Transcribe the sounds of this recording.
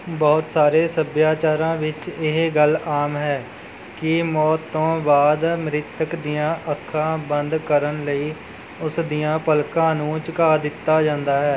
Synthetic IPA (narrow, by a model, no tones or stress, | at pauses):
bɔːt̪saːɾeːsəbjaːt͡ʃaːɾãːʋɪt͡ʃɪɦɡəlaːmɦɛː | kɪmɔːt̪ːõːbaːd̪mɾɪt̪əkd̪ijãːʔəkʰːãːbənd̪kəɾənləiː | ʊsd̪ijãːpəlkãːnũːt͡ʃkaːd̪ɪt̪ːaːd͡ʒãːnd̪aːɦɛː